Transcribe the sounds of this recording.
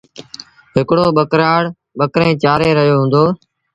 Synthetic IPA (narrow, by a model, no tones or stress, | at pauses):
ɦɪkɽoːɓəkɾaːɽ | ɓəkɾẽːt͡ʃaːɾeːɾəɦjoːɦũːnd̪oː